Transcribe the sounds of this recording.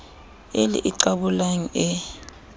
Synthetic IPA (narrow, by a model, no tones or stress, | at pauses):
elḭʔiǀaɓulaŋ̩ɛ